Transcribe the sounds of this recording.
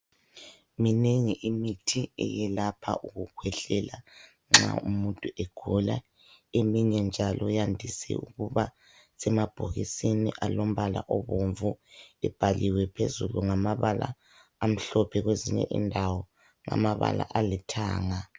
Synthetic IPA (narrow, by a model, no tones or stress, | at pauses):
mineŋiʔimitʰiɛ̰jɛlapʰa̰ʔuɣukʰwɛɬɛla | ŋ͡ǁa̰umuntʼuʔeɡ̥ʱula̰ | emiɲɛnd͡ʒʱalʔɔjandʱisɛ̰ṵɣuβa | sɛmab̥ʱoɣisiniʔalom̩βalaʔoβoɱvuɛb̥ʱaliwɛpʰezuluŋamaβala̰ː | m̩ɬɔpʰɛɣweziɲɛ̰ʔḭndʱawɔ | ŋa̰maβa̰la̰ʔalitʰaːŋa